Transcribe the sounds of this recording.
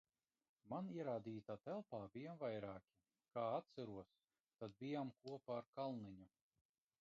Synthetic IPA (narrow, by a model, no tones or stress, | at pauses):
maniɛɾaːd̪iːt̪aːt̪ɛlˠpaːbijamvajɾaːkʲi | kaːat̪saɾuɔs | t̪ad̪̚bʲijamkuɔpaːɾkalˠniɲu